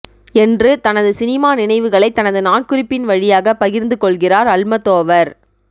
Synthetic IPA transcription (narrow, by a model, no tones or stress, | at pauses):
ɛndrɯt̪ɐnɐðɯsɪnɪmaːnɪnɐɪʋɯɣɐɭɐɪt̪ːɐnɐðɯnaːɳkʊrɪpːɪnʋɐɻɪjaːɣɐpɐɣɪɾnd̪ɯkɔɭɣɪraːɾɐɭmɐt̪ːoːʋɐɾ